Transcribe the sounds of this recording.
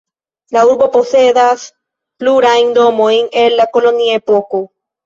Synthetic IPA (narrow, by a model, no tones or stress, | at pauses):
lauɾbo̞po̞se̞das | pluɾajnd̪o̞mo̞jne̞nlako̞lo̞niaepo̞ko̞